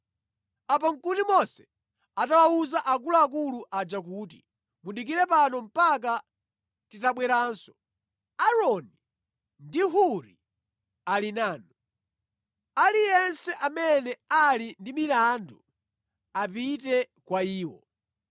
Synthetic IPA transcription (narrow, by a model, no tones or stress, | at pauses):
apaŋ̩kutimɔsɛ̥ | atalauzaʔak̬ulaːkuluʔad͡ʒakuːt̬i̥ | muɗik̬iɾɛpanɔm̩pak̬a | titaɓwɛɾaːnsɔ̥ | aɾɔni | ndiɦuɾi | alinaːnɔ | alijɛnsɛʔamɛnɛalindimilandu | apitɛ | kwaiːwɔ̰